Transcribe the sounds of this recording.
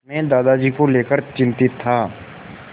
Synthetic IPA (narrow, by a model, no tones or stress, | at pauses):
mẽd̪aːd̪ad͡ʒiːkoleːkəɾt͡ʃɪ̃nt̪ɪt̪ʰːaː